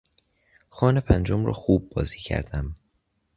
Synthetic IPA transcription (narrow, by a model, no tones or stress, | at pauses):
xɒːne̞pʰænd͡ʒomrɒ̰ːxuːbːɒːziːcʰæ̰ɾd̪æm